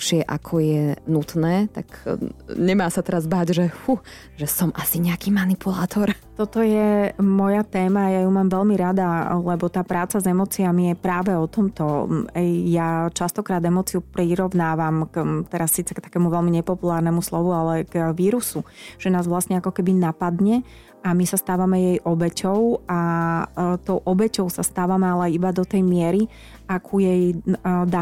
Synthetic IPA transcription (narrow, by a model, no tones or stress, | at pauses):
pʃɪɛʔa̰kʰɔjɛnut̪nɛːt̪akɲɛmaːsat̪ɛɾazbaːɟʒɛhu | ʒɛsɔmʔasiɲɛakiːmanipulaːt̪ɔɾ | t̪ɔt̪ɔjɛmɔjat̪ɛːmajajumaːmʋɛlmiɾad̪alɛbɔt̪aːpɾaːt͡sazɛmɔːt͡siamijɛpɾaːʋɛɔt̪ɔmt̪ɔɛjjat͡ʃast̪ɔkɾaːd̪ɛmɔːt͡siupɾiɾɔʋnaːʋamkt̪ɛɾasːiːt͡sɛkt̪ḁkɛmuʋɛlmiɲɛpɔpulaːɾnɛmuslɔʋualɛɡʋiːɾusuʒ̥ɛnaːzʋlast̪ɲɛakɔkɛbinapad̪ɲɛ | amisast̪aːʋamɛjɛjʔɔbɛcɔʊa | t̪ɔʊʔɔbɛcɔʊsast̪aːʋamɛalajibad̪ɔt̪ɛjmɪɛɾi | akʰujɛjd̪a